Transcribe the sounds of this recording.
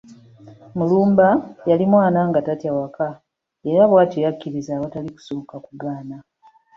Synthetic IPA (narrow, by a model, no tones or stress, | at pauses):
muluːmbajalimwaːnaŋɡatatjawaka | eɾaβwaːtijakːiɾizaːβataliku̥soːkakuɡaːna